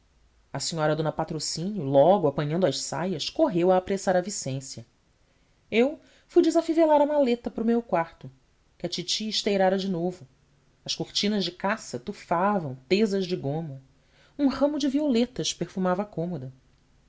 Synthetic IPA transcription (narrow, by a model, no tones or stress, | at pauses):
ɐsiɲɔɾɐd̪õnɐpat̪ɾosĩnjʊlɔɡʊapɐ̃ɲɐ̃nd̪ʊɐʃsa̰jɐskoɦewaːpɾesaɾɐvisẽsjɐ | ew | fujd͡ʒɪzafivelaɾɐmalet̪ɐpɾʊmewkwaɾt̪ʊ | kɪɐt͡ʃit͡ʃiːʃt̪ejɾaɾɐd͡ʒɪnovʊ | ɐʃkuɾt͡ʃĩnɐʒd͡ʒɪkasɐt̪ufavɐ̃w̃t̪ezɐzd͡ʒɪɡõmʊ | ũhɐ̃mʊd͡ʒɪviolet̪ɐʃpeɾfumavɐakõmod̪ɐ